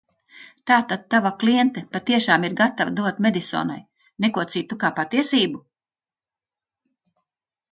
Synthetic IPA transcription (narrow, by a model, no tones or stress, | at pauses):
t̪aːt̪ad̪̚t̪ːavakliɛnt̪ɛpat̪iɛʃaːmiɾɡat̪avad̪uɔt̪med̪isɔ̰ːna̰j | nekuɔt̪siːt̪ukaːpat̪iɛsiːbu